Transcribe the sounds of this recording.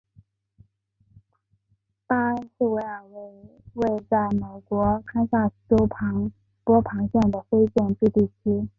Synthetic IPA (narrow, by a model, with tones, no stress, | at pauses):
t̪a˥ʂ̩˥˩we˧˥ɪə˞˨˩we˥˩ɪ | we˥˧ɪt͡sa˥˩ɪme˨˩ɪkwɔ˧˥kʰa˥ɪsa˥˩ʈ͡ʂo˥ʊpʰɑ˧˥ŋ | pwɔ˥pʰɑ˧˥ŋɕjɛ˥˩ŋd̪ə˩fe˥ɪt͡ɕjɛ˥˧nt̪y˥˧t̪i˥˩t͡ɕʰy˥